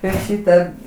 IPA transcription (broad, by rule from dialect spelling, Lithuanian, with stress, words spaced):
ɪr ˈʃʲiːtɐ